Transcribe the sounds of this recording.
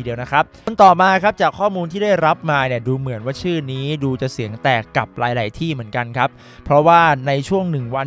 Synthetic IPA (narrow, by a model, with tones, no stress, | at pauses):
di˧wna˦˥kʰa˦˥p̚o˧nt̪ɔː˨˩maː˧kʰa˦˥p̚t͡ɕaː˨˩kʰːɔː˥˩muː˧nt̪ʰiː˥˩daː˥˩jɾa˦˥p̚maː˧ni˥˩əduː˧mɯ˨˩˦ənwaː˥˩t͡ɕʰɯː˥˩niː˦˥duː˧t͡ɕa˨˩si˨˩˦əŋt̪ɛː˨˩kːa˨˩p̚laː˨˧˦jlaː˩˦jt̪ʰiː˥˩mɯ˩˦ənka˧nkʰa˦˥p̚ʰ | ɾɔ˦˥waː˥˩na˧jt͡ɕʰu˥˩əŋnɯ˨˩ŋwa˧